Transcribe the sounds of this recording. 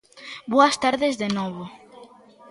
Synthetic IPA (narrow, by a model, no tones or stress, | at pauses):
boɐst̪aɾðezðenɔβo